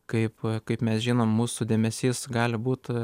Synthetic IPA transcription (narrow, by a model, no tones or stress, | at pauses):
kɐɪpkɐɪpmʲɛsʒʲiːnoːmːuːsʊd̪ʲeːmʲɛsʲiːsɡɑːlʲɪbuːt̪